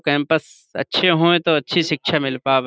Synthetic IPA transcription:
kɛ̃ːmpəs | ɐ̰tːʃʰeɦoːẽt̪oɐtːʃʰiʃɪkʃʰamɪlpaːb

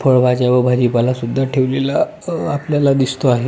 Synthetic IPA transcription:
pʰəɭbʱad͡ʑaʋəbʱad͡ʑipalasud̪ʱːaʈʰeʋlela | apljalad̪ist̪oaɦe

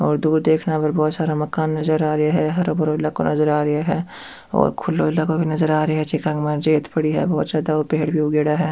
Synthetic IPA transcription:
ɔːɾd̪uːɾd̪eːkʰnabɐɾbɔːt̪saːɾamɐkaːnːɐzəɾaːɾɐaɦɛɦɐɾobɐɾoɪlːakonɐzəɾaːɾɐjaɦɛ | ɔ̰ːɾkʰʊlːoɪlːakobʱinɐzəɾaːɾeɦɛt͡ʃɪkãŋɡmãd͡ʒeːt̪pɐɽiɦɛ̰bɔːt̪saːd̪aoːpeɦɽbʱioɡeːɽaɦɛː

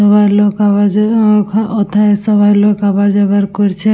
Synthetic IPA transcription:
ɔbajlokabad͡ʒkʰɔt̪ʰaesɔbajlokabad͡ʒabaɾkoɾt͡ʃʰe

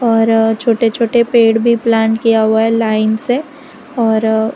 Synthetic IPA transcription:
ɔːɾt͡ʃʰoːʈet͡ʃʰoːʈepeːɽbʱiplaːnkijaɦuaɦɛlaːɪnse | ɔːɾ

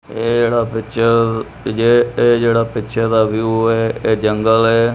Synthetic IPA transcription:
eːd͡ʒeːɽaːpɪt͡ʃʰə | eeːd͡ʒeːɽaːpɪtːʃʰed̪aːʋjuɛːeːd͡ʒəŋɡəlɛː

